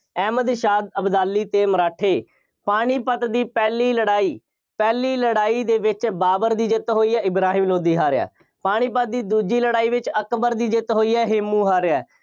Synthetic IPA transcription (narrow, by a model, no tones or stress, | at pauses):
ɛːməd̪ʃaːd̪əbd̪aːlːiːt̪eːməɾaːʈʰeː | paːɽ̃iːpət̪d̪iːpɛːliːləɽaːiː | pɛːliːləɽaːiːd̪eːʋɪt͡ʃbaːbəɾd̪iːd͡ʒɪt̪ɦoːiːɛːɪbɾaːɦĩːmloːd̪iːɦaːɾɪa̰ː | paːɽ̃iːpət̪̚d̪iːd̪uːd͡ʒiːləɽaːiːʋɪt͡ʃəkbəɾd̪iːd͡ʒɪt̪ɦoːiːɛːɦɪmːũːɦaːɾɪɛː